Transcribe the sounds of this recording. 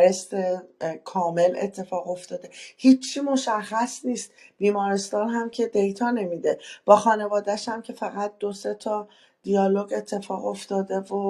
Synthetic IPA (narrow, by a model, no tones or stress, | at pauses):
ɾest̪ekʰɒːme̞lḛt̪ʰːe̞fɒːɣo̞ft̪ɒːd̪e̞hiːt͡ʃʰːiːmo̞ʃæχːæsniːst̪̚b̥iːmɒːɾest̪ɒːnɦæmcʰe̞d̪e̞jt̪ʰɒːne̞mid̪e̞b̥ɒːxɒːne̞vɒːd̪æʃæmcʰe̞fæɣæt̪̚d̪̥o̞se̞t̪ʰɒː | d̪̥ijɒːloɡe̞t̪ʰːe̞fɒːɣo̞ft̪ɒːd̪e̞vo